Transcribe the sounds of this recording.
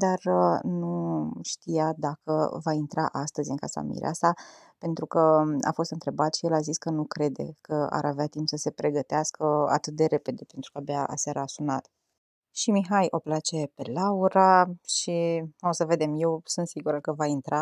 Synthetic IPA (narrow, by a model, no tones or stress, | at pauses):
d̪arnuʃt̪ijad̪akə̰vaint̪ɾaʔast̪əzʲɨŋkasa̰mḭɾḛa̰sa | pe̞nt̪ɾukəa̰fo̞st̪ɨnt̪ɾe̞bat̪ʃije̞laziskənukɾe̞d̪e̞̰kəa̰ɾaveat̪impsəse̞pɾe̞ɡət̪easkəa̰t̪ɨt̪̚d̪e̞ɾe̞pe̞d̪e̞pe̞nt̪ɾukabeaʔa̰saɾaːsunat̪ | ʃimiɦajo̞plat͡ʃe̞pe̞lauɾaʃiosəve̞d̪e̞mje̞wsunt̪siɡuɾəkəvaint̪ɾa